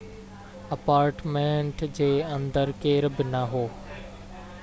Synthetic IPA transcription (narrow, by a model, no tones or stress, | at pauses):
ɐpaːɾʈmẽːɳʈd͡ʑeːɐ̃nd̪əɾkeːɾbɪnɐɦoː